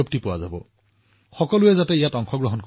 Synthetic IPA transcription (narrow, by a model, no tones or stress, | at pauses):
op̚tipʊwazabɔ | xɔkɔlʊɛzatɛijatɔŋkʰɔɡɹɔɦɔnk